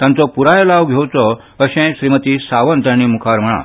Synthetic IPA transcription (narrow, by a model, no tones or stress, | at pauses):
t̪jãnt͡sɔpuɾajlaʋɡʱewt͡sɔ | əɕẽɕɾimət̪iːsaʋənt̪jãɽ̃iːmukʰaɾm̤əɽ̃a̰